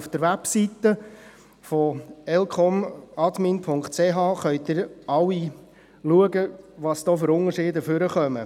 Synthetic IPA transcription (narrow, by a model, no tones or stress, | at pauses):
fd̥̪əɾʋæpsit̪ə | fɔɛlkʰɔmɑdminpʰʊŋkχt̚t͡seɦɑːχœʏt̪dɪɾɑwi | luəɡəʋɑsd̥̪ɔːfʏɾʊnəɾʃɪːdəføɾəχœmə